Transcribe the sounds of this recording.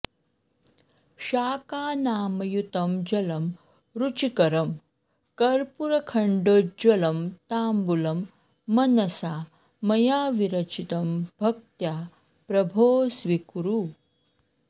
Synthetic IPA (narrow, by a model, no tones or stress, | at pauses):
ɕaːkaːnaːmɐjut̪ɐmd͡ʑɐlɐm | ɾut͡ʃikɐɾɐm | kɐɾpuɾɐkʰɐɳɖod͡ʒwɐlɐmt̪aːmbulɐmː | ɐnɐsa | mɐjaːʋiɾɐt͡ʃit̪ɐmbʱɐk̚t̪jaː | pɾɐbʱoːsʋikuɾu